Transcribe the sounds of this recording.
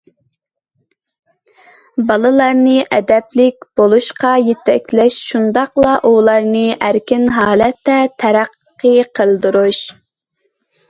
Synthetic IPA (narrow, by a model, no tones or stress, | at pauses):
bɑlˠɨlˠɑɾnɨʔɛd̪ɛplɪk̚ʲb̥olˠuʃqɑjet̪ʰɛkʲlɛʃʃund̪ɑqlˠɑʔulˠɑɾnɨʔæɾkʲɪnɦɑːlɛt̪ʰːɛt̪ʰɛɾæqːəqʰəlˠd̪uɾuʃ